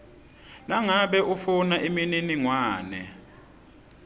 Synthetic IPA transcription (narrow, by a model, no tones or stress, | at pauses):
naŋaɓɛʔufunaʔimininiŋwaːnɛ̰